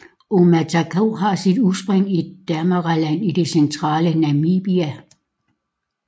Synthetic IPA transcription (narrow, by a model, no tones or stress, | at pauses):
o̝mæt͡sʰækʰoɦɑ̈sid̥usb̥ʁeŋ̰id̥æmɐʁɑlæn̰id̥e̝sent͡sʰʁɑ̰̈ːlənæmiːb̥iæ